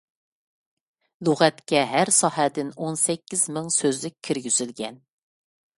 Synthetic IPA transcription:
lˠuʁæt̪kʲɛɦæɾsɑɦæd̪ɪnonsɛkʲːizmɪŋsøzlɪkʲʰːiɾɡʲyz̥ylɡʲɛn

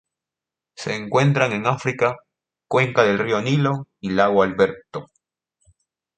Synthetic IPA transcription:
seːŋkwe̞nt̪ɾaŋe̞ŋafɾika | kwe̞ŋkaðe̞lrioniloilaɣwalβe̞ɾt̪o

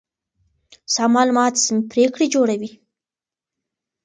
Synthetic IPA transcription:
sɑmɑlmɑt̪sɪmpɾekɽed͡ʒoɽawi

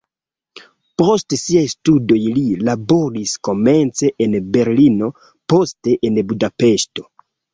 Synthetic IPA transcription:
po̞stsiajstudo̞jlilabo̞ɾisko̞me̞nt͡se̞ʔenbe̞ɾlino̞ | po̞ste̞ʔenbudape̞ʃto̞

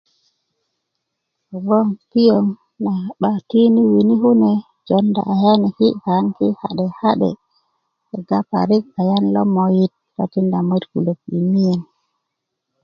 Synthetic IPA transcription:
ɡɔnkijɔn | naɓatiniwiniɦunɛ | d͡ʒɔnda̰ʔahɛnɛhihaŋkihaɗɛhaɗɛ̰ | ɛɡapa̰ɾikajanlɔ̰mojit̚ɾa̰tindamodkṵlokɗḭmijɛn

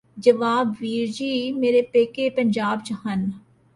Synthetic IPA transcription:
d͡ʒɐʋaːbʋiːɾd͡ʒiːmeːɾepeːkepəɲd͡ʒaːbd͡ʒɦən

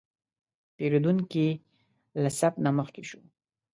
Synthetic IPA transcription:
peɾod̪uŋki | lasapnaməxkeʃu

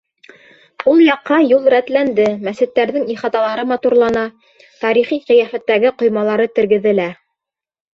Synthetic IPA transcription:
ulˠjɑqːɑjulˠɾæt̪lænd̪ɘmæsɘ̆t̪ːæɾðɘŋiχɑt̪ɑlˠɑɾɤmɑt̪uɾlˠɑnɑ | t̪ɑɾiχiqɤ̆jæfæt̪ːæɡɘqŏjmɑlˠɑɾɤt̪ɘ̆ɾɡɘ̆ðɘ̆læ

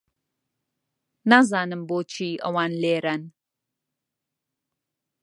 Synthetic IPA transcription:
naːzaːnɨmboːt͡ʃʰiːʔɐ̰waːnleːɾɐn

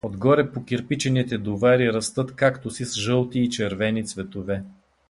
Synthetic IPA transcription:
od̪ɡɔɾɛpokiɾpit͡ʃɛnit̪ɛd̪ovaɾiɾɐst̪ɤt̪kakt̪osisʒɤlˠt̪iːt͡ʃɛɾvɛnit̪svɛt̪ovɛ

